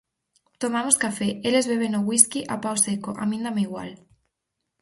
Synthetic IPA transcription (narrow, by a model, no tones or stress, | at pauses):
t̪omamoskafeelezβeβ̞enoɣwiskiʔapaosekoʔa̰mĩnd̪ameiɣwa̰l